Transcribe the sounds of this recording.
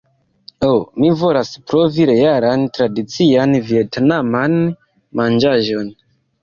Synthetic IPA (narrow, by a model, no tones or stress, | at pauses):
omivo̞laspɾoviɾejaɾantɾadit͡sianvietnaman | mand͡ʒaʒo̞n